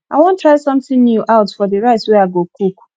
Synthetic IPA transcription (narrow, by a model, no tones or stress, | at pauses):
a̰wɔ̃n̩tɾaɪsʌ̃mtɪ̃ŋnjuʔaʊtfɔdɪɾaɪtsweaɡokuku̥